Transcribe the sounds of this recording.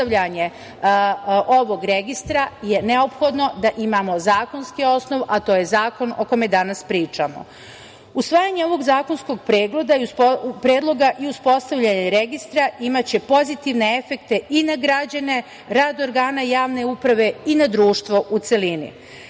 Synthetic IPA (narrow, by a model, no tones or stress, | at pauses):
t̪aʋʎaɲe̞ | o̞ʋo̞ɡɾeɡist̪ɾaje̞ne̞o̞pxo̞d̪no̞d̪aʔimamo̞zaːko̞nskio̞sno̞ʋat̪o̞ːje̞zaːko̞noko̞med̪anaspɾiːt͡ʃamo̞̰ | usʋaːjaɲe̞o̞ʋo̞ɡzaːkonsko̞ɡ̚pɾeːɡle̞d̪aiuspɾe̞ːd̪lˠo̞ɡaʔiuspo̞st̪aʋʎaɲeɾeɡist̪ɾaimat͡ɕe̞po̞zit̪iʋne̞efe̞kt̪e̞ʔinaɡɾad͡ʑane̞ | ɾaːd̪o̞ɾɡaːnajaːʋne̞upɾaʋe̞inad̪ɾuːʃt̪ʋo̞ʔut̪selinḭ